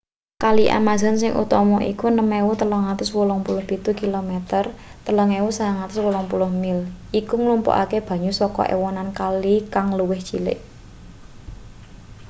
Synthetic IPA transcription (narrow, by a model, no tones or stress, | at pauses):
kaliʔa̰maza̤nsɪŋʔṵt̪ɔmɔʔikunəmɛwut̪ələŋat̪ʊswulɔŋpulʊhpit̪ukilomɛt̪ər | t̪ələŋewusaaŋat̪ʊswulɔŋpulʊhmɪlʔikuŋlumpɔ̰ʔa̰keb̥a̤ɲusɔkɔ̰ʔḛwɔnankalikaŋluwɪhʒ̥ilɪ̰ʔ